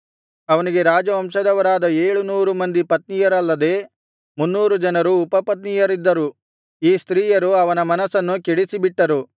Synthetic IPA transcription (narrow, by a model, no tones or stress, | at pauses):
ɐʋɐniɡe̞ɾaːd͡ʒɐʋɐmʂɐd̪ɐʋɐɾaːd̪ɐeːɭunuːɾumɐnd̪ipɐt̪̚nijɐɾɐlːɐd̪e̞ː | munːuːɾud͡ʒɐnɐɾuːpɐpɐt̪̬nijɐɾid̪ːɐɾu | iːst̪ɾiːjɐɾuɐʋɐnɐmɐnɐsɐnːukeɽisibiʈːɐɾu